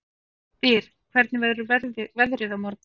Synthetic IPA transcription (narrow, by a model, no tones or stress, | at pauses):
θɪɾ̥ | kʰv̥ɛɾt̪nɪvɛðɾʏvɛvɛðɾɪðamɔɾt̪̚n